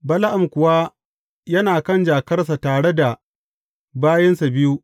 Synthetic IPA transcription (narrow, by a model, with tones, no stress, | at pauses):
bɐ˦la˦ʔa˨mkʷʊ˨wa˦ | jɐ˦naː˨kɐ˦˨nd͡ʒaː˨kɐ˦rs̬a˨taː˨ɽe˦da˨ | baː˦jɐ˦nsa˨bɪ˦ju˦